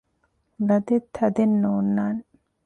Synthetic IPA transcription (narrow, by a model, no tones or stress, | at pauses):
lɐd̪et̪ʰːɐd̪enːoːnːaːn